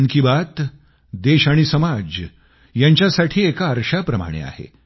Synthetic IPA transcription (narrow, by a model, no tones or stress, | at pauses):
ŋkibat̪ | d̪eɕaɽ̃isəmad͡ʑ | jaɲt͡ɕjasaʈʰiːekaəɾʂapɾəma̰ɽ̃ḛa̰hḛ